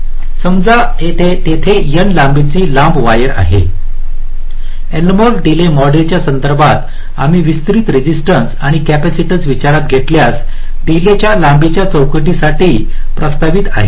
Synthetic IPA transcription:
səmd͡za | et̪ʰet̪et̪ʰejənlambet͡siːlambʋajəɾa̰ɦḛ | elməɾɖilemɔɖlet͡ɕjasənd̪əɾbʱat̪ | a̰miːʋist̪ɾiːt̪ɾid͡ʑisʈənsaɽ̃ikæpæsiʈid͡zʋit͡ɕaɾat̪̚ɡʱeʈljas | ɖilet͡ɕjalambet͡ɕjat͡səwkəʈisaʈiːpɾəst̪aʋit̪a̰ɦḛ

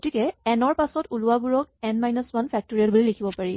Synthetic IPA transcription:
ktikɛɛnɔɹpasɔtulʊabuɹɔk̚ɛnmajnɔsmanpʰɛk̚tɔɹiɔtbulilekʰibɔpaɹi

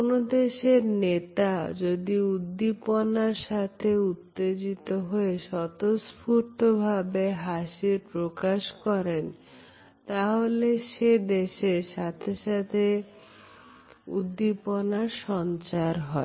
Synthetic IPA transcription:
onod̪eʃeɾnet̪ad͡ʑod̪iud̪ːiponaɾʃat̪ʰeut̪ːed͡ʑit̪oɦoeʃɔt̪ospʰuɾt̪obʱabeɦaʃiɾpɾokaʃkɔɾen | t̪aɦoleʃed̪eʃeʃat̪ʰeʃat̪ʰe | ṵd̪ːiponaɾʃɔnt͡ɕaɾɦɔe

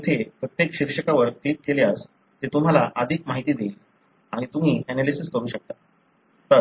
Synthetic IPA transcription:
ət̪ʰepɾət̪jekɕikʂəkaʋəɾklikːeleas | t̪et̪um̤alaʔəd̪ʱiːkmaɦit̪iːd̪eiːl | aɽ̃it̪um̤iːɛnalisist̪oɾ̃uːɕək̚t̪a | t̪ə

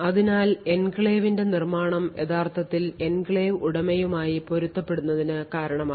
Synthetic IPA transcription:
ɐðinaːle̞nkɭeːʋinde̞nirmaːɳɐmjeðaːrt̪ʰɐt̪ːile̞nkɭeːʋuɽɐmejumaːjipo̞ɾut̪ːɐpːe̞ɽunːɐðinɨkaːɾɐɳɐmaː

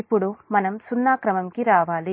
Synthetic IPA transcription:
ipːuɽumɐnɐmsunːaːkɾɐmɐmkiɾaːʋaːli

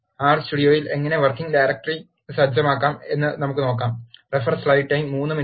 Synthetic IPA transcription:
aːrstuɽijoːjile̞ŋːɐne̞ʋɐrkːiŋɡɖajɾɐk̚ʈɐri | sɐd͡ʑjɐmaːkːaːme̞nːɨnɐmukːɨno̞ːkːaːmrefɐrslɐjʈʈːɐjmmːuːnːɨmi

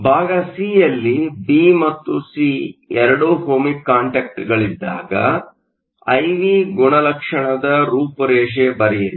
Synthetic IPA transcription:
bʱaːɡɐsijɐlːibimɐt̪ːusiɛɾɐɽuhoːmikːaːɳʈeːk̚ʈɐɾɡɐɭid̪ːa̰ːɡɐ̰ | ɐjʋiɡuɳɐlɐkʂɐɳɐd̪ɐɾuːpɐɾɛːʂ̬ebɐɾɛjiɾi

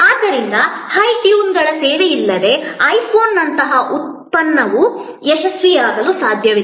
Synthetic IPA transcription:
aːd̪ːɐɾind̪ɐhɐjʈjuːnɡɐɭɐseːɽejilːɐd̪e̞ɐjpʰo̞ːnːɐnt̪ɐɦɐʔut̪̚ | pɐnːɐʋu | ɛʃɐsʋijaːɡɐlusaːd̪ʱjɐʋi

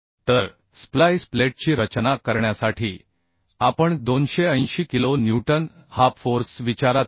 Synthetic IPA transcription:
t̪əɾ | splajspleʈ̚t͡ɕiːɾət͡ɕnakəɾɳjasaʈʰiː | apəɳd̪onɕeə̃j̃ɕiːkilonjuʈənhapfoɾsʋit͡ɕaɾat̪

